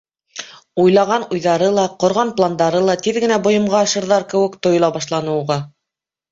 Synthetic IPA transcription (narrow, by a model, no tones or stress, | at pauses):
ujlˠɑʁɑnujðɑɾɤlˠɑqŏɾʁɑnplˠand̪ɑɾɤlˠɑt̪iðɡɘ̆næbŏjɤ̆mʁɑːʃɤ̆ɾðɑɾkɘ̆wɘ̆kt̪ŏj̆lˠɑbɑʃlˠɑnɤ̆wʁɑ